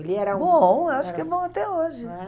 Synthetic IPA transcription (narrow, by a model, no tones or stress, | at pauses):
elɪɛɾɐõaʃʊ̥kɛbõat̪ɛoʒɪ